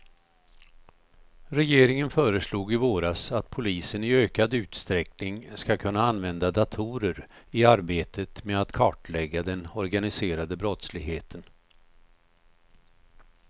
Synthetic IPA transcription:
ɾɛjeːɾɪŋənfœːɾəʂluːɡɪvoːɾasat̪pʰʊliːsənɪøːkad̪ʉ̟ːt̪st̪ɾɛknɪŋskakʰɵnːaanvɛnd̪ad̪at̪ʰuːɾəɾɪaɾbeːt̪ʰət̪mɛat̪kʰɑːʈlɛɡːad̪ɛnɔɾɡanɪseːɾad̪əbɾɔt̪slɪɡɦeːt̪ʰən

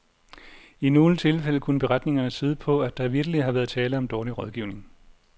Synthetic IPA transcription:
ino̝ːlət͡sʰe̝lfel̰əkʰunəb̥e̝ʁad̥ne̝ŋɐnəsiːð̞ˠəpʰɒ̽æd̥ɑ̈ʋiɐɡ̥əlihɑ̈ʋæɐð̞̩ˠt͡sʰɛːləɒ̽md̥ɒːliʁɒðˠɡ̥iʊ̰ne̝ŋ

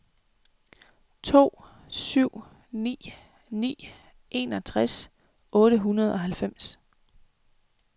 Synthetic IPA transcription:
t͡sʰo̝̰ː | syʊ̰ | nḭː | nḭː | ʔe̝ːnɒ̽t͡sʰʁas | ʔɔ̽ːɾ̥əɦunɐð̞ˠʔɒ̽ɦælfem̰s

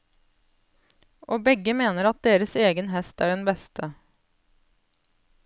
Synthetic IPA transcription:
ʔoːbɛɡəmeːnəɾɑt̪̚d̪eːɾəseːɡənɦɛst̪æːɖɛnbɛst̪ʰə

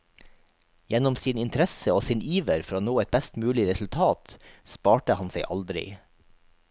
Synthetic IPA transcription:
jɛnʊmsiːnɪnt̪ʰɾɛsəoːsiːnʔiːʋəɾfɔɾoːnoːɛt̪̚bɛst̪mʉːlɪɾɛsʉlt̪ʰɑːt̪spɑːʈəhɑnseɪʔɑ̰ld̪ɾɪ̰

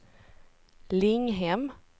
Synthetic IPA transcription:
lɪŋɦɛm

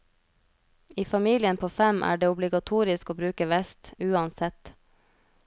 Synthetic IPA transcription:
iːfɑmiːlɪənpʰoːfɛmʔæ̰ːɖeːʊblɪɡɑt̪ʰuːɾɪskoːbɾʉːkəʋɛst̪ʉːɑnsɛt̪

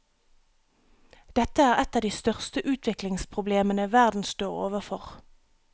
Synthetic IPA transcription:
d̪̥ɛt̪əæːʁɛt̪ɑːd̪iːst̪œʁst̪əʔʉːt̪ʰʋɪklɪŋspʰʁʊbleːmənəʋæʁd̪n̩st̪oːʁo̰ːʋəfɔʁ

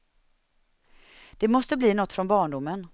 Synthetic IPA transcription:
d̪̥ɛmɔst̪əbliːnɔt̪ːfɾɔnbɑːɳɖʊmːən

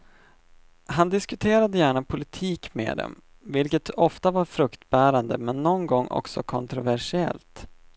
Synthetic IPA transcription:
hand̪ɪskɵt̪ʰeːɾad̪əjæːɳapʰʊlɪt̪ʰiːkmḛːd̪ɛ̰m | vɪlkət̪ɔft̪avaɾfɾɵkt̪bæːɾand̪əmɛnːɔnɡɔŋːʔɔ̰ksɔkʰɔnt̪ɾʊvæʂɪɛ̰lt̪

